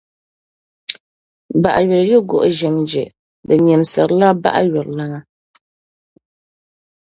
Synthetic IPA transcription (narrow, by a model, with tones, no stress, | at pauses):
ba˨ʔa˨ɥɛ˨ɾjɛ˦ɡʊ˦˨ʔʊ˦ʒɛ˨md͡ʒɛ̰˨ | dɨ˨ɲɛ˨m˨sa˨ɾla˦ba̰˦ʔa̰˦ɥɔ˨ɾla˦ŋa˦